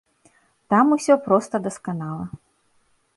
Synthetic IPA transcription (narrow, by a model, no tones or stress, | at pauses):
t̪amusʲɔpɾɔst̪ɐd̪ɐskanalˠɐ